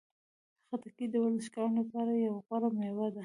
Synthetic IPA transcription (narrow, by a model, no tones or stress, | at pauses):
əxat̪akid̪əwaləʃkɑɾnlapɑɾajawɣaɾamewad̪a